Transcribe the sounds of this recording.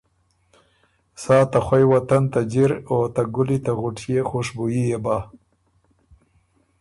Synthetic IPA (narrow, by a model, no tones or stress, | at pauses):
sɑːt̪axwajwat̪ant̪ad͡ʒiɾot̪aɡʊlit̪aɣʊʈjexoʂbujijebɑ